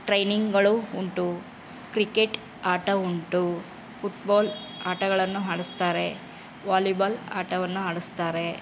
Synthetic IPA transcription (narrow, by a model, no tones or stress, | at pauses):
ʈɾɐjniŋɡɡɐɭuuɳʈu | kɾikeʈ | aːʈɐuɳʈu | pʰuʈbaːlaːʈɐɡɐɭɐnːuɦaːɽust̪aːɾe̞ | ʋaːlubɐla̰ːʈɐʋɐnːuɦaːɽust̪aːɾe̞